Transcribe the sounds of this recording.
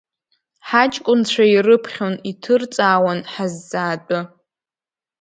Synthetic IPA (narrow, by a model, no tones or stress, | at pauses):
ħat͡ʃʼkʷʼʊnt͡ɕʷʰairɨpʰχʲonitʰɨrt͡sʼaːwanħazːaːtʼʊ